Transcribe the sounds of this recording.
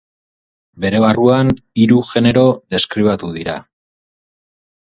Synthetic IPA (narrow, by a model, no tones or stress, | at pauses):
be̞ɾe̞βaruan | iɾuʝe̞ne̞ɾo̞ðe̞skɾiβ̞at̪uð̞iɾa̰